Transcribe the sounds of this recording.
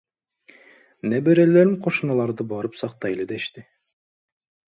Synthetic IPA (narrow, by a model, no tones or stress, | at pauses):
nebeɾeleɾiŋqʰoʃɯnɑlˠɑɾd̪ɯbɑɾɯpsɑqt̪ɑjlˠɯd̪eiʃt̪i